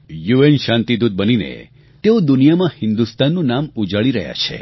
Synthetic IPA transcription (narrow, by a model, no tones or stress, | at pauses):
juenʃãnt̪id̪ud̪̚bəninḛ | t̪eod̪unijamãhɪnd̪ust̪anːũnamud͡ʒaɭiɾəɦja̰t͡ʃʰḛ